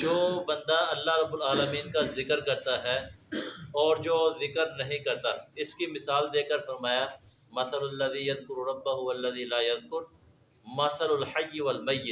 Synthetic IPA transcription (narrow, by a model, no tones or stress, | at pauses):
d͡ʒoːbɐ̃nd̪aɐlːaɦɾɐbːʊlaːləmiːnkazɪkəɾkɐɾt̪aɦɛ | ɔːɾd͡ʒoːzɪkəɾnɐɦĩkɐɾt̪aɪskimɪsaːld̪eːkəɾfɐɾmaːjamɐθɐlɐlːɐðiːjɐðkʊɾɾɐbːaɦʊɐlːɐðiːlaːjɐðkʊɾ | mɐθɐlʊlħɐjːɪwɐlmɐjːɪt̪